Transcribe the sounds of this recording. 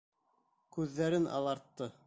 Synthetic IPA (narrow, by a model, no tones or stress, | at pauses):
kʉðːæɾɘnʔɑ̰lˠɑɾt̪ːɤ